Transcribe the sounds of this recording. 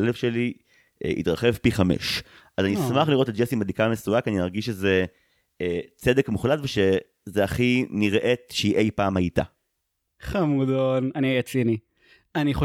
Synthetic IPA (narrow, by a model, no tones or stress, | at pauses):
elefʃelḭ | ḭt̪ʁaχe̞vpiχamḛʃ | ʔazanismaχliʁo̞t̪etd͡ʒesimadikamesuakanimaʁɡiʃeze̞ | t͡se̞d̪ekmuχlatveʃe | zeaχiniʁʔe̞tʃeiʔejpaːmajita̰ | χamud̪onaniajat͡sini | aniχo